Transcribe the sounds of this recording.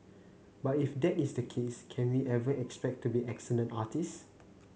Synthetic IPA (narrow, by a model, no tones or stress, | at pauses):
batifdɛtisdəkʰeskʰɛ̃nwiʔɛvəʔɛkspɛk̚tːubiʔɛksələ̃ntatis